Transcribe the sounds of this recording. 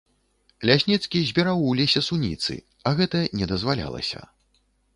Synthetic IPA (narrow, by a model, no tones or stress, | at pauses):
lʲasʲnʲit̪skʲizʲbʲiɾawlʲesʲɛsunʲḭt̪sɨ̰ | ɐɣɛt̪ɐnʲɛd̪ɐzvalʲa̰lˠɐ̰sʲɐ̰